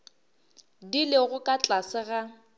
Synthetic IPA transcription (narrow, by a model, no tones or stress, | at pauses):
dileɣʊkʼat͡ɬʼasɪɣa